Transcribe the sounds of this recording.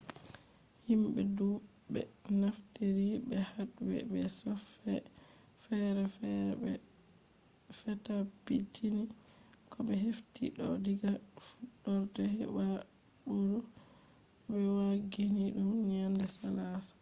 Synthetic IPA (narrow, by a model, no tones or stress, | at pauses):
himɓɛdu | bɛ̰ | nafteɾibɛhatbɛ̰bɛsɔf | ɛ | fɛɾɛf | fɛtapitʰini | kɔɓɛɦeftḭɗɔdiɡa | fuɗːɔɾtɛhɛ̰ba | ɓuɾu | bɛwaɡiniɗumɲandɛsalasḁ